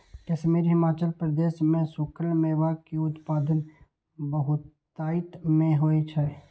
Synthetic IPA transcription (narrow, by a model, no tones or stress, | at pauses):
kɛːsemeːɾiɦɪmaːt͡ʃəlpɾəd̪eːʃmẽsʊːkʰəlmẽːʋakiʊt̪paːd̪ən | bəɦʊt̪ː | aːɪt̪mẽɦoːet͡ʃʰɛ